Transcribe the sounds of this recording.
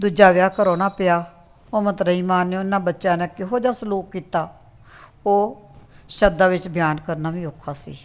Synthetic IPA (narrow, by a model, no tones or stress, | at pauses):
d̪ʊd͡ʒaːʋɪjaːkəɾoːnaːpɪjaː | oːmət̪ɾəiːmaːnõːɪnːãːbətːʃãːnɛːkɪɦoːd͡ʒaːsəluːk̚ːiːt̪aː | oː | ʃəd̪aːʋɪt͡ʃbʱjaːnkəɾnaːʋĩːoːkʰːaːsḭː